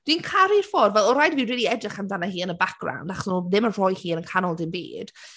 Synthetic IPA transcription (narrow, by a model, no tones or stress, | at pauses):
d̥wiːnkʰaɾɪrfɔrvɛlˠɔɾajdvinriːlˠiɛdaχamdanahiːənəbak̚ɡ̥ra̰wndaχɔ̥snuðɪmərɔjhiːənənkʰanɔlˠdɪnbḭːd̥